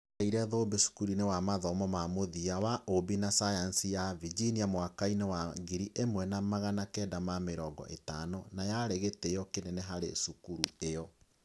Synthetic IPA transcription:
aiɾɛðoːbesu̥kuɾinewamaðɔmɔmamoðiawaʔobinasajansijavid͡ʒiniamwakainewaŋɡiɾiʔemwɛnamaɣanakɛdamameɾɔɡɔ̰ʔḛtanonajaɾeɣetejɔkenɛnɛɦaɾḛsukuɾuejɔ

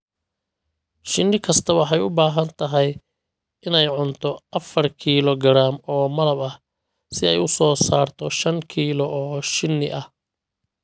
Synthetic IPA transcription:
ʃɪnːɪkʰɐst̪ʰɐwɑħɑjʊbaːɦɐnt̪ʰɐɦɛj | ɪnɛjʕʊnt̪ʰɔɐfɐrkʰiːlɔɡɐɾaːmɔːmɐlɐbɐh | sɪɛjʊsɔːsaːrt̪ʰɔʃɐŋkʰiːlɔɔːʃɪnːɪ̰ʔɐh

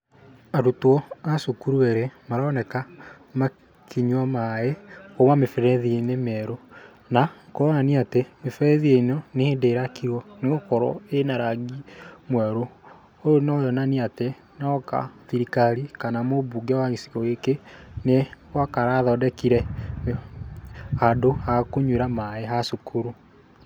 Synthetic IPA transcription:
aɾutwɔasokuɾueɾemaɾaːnɛka | ma | kiɲwamaeomwamefɛɾɛðienemɛɾo | nakoɾaaniatemefɛɾɛðieinonehendeɾakiɾwɔneɣokɔɾɔ̰enaɾaɡimwɛɾo | ojonɔjɔnaniate | naɔka̰ðiɾikaɾikanamobuɡɛwaɣisi̥kɔekenewakaɾaðɔdɛkiɾɛ | adoakoɲweɾamaeɦasukʰuɾu

